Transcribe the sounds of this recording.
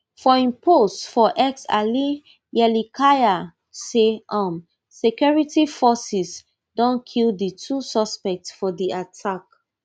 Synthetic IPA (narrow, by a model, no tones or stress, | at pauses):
fɔĩmposfɔʔɛksa̰li | jɛlikʰaja | seʔɔ̃m | sekjɔɹitifɔsis | dɔ̃nkʰildətʰusɔspɛk̚tsfɔdiatʰak